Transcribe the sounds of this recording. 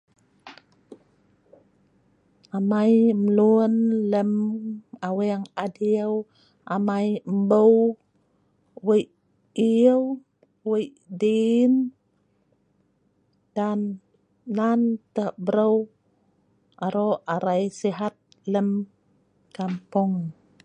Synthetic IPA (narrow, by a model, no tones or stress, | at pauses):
amajməluənləmaweaŋadiəw | ʔamajmbəw | wəj | iəw | wəj | din | d̥anː | ant̪əbəɾəw | aɾoaɾajsiɦat̪̚ | ləm | kampuŋ